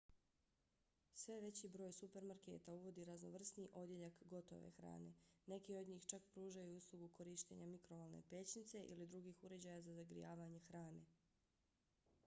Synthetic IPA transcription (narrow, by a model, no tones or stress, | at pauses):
sʋe̞ʋe̞t͡ɕibɾo̞ːjsupe̞ɾmaɾke̞̰ːt̪auʋo̞d̪iɾazno̰ʋr̩sniʔo̞d̪je̞ʎakɡo̞t̪o̞̰ʋḛxɾa̰ːne̞̰ne̞kio̞d̪ɲiːxt͡ʃakpɾuːʒajuuslˠuɡukʰoɾiːʃt̪e̞̰ɲamikɾoʋolˠnḛpe̞t͡ɕnit̪se̞ʔḭlid̪ɾuɡiːxuɾe̞d͡ʑaːjazazaɡɾḭjaːʋaɲe̞xɾaːne̞